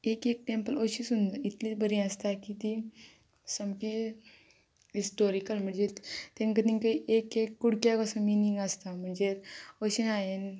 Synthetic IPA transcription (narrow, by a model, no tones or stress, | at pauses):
ekek̚ʈempəloɕisund̪it̪lit͡sbəɾĩəst̪akit̪i | səmke | ɦisʈoɾikəlm̤əɳd͡zet̪ẽŋkət̪ĩŋkəʔekekːuɽkjakəsə̃miniŋɡast̪am̤əɳd͡zeoɕinajen